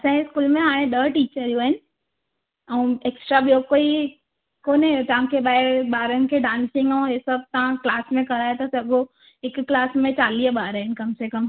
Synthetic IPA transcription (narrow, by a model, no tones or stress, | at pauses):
ɐsãkeskuːlmẽaːɽ̃ẽɗəʈiːt͡ʃəɾijũəɦɪnɪ̆ | ɐũeːksʈɾabijokoːi | koːnet̪ɐʋ̤ãkʰeɓaːeɓaːɾənɪ̆kʰeɖãːnsɪ̃ŋɡəũesəb̚t̪ɐʋãklaːsmẽkɐɾaːet̪asɐɡʱo | ekːlaːsmẽt͡ʃaːlibaːɾəɦɪnkɐmsekɐm